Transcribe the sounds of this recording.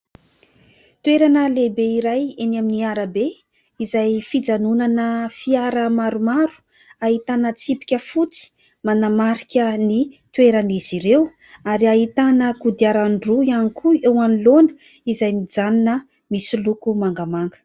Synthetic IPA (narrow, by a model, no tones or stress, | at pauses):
t̪weɾanəlebeiɾajenaminiaɾabe | izajfid͡zanunanəfiaɾəmaɾumaɾu̥ | aɦit̪anət͡sipi̥kʲəfut͡si̥ | manamaɾikʲənit̪weɾaniz̥iɾew | aɾiaɦit̪anəkud̪iaɾaɳɖ͡ʐuianikʰuewanilonə̥ | izajmid͡zaninə | misilukumaŋɡamaŋɡə̥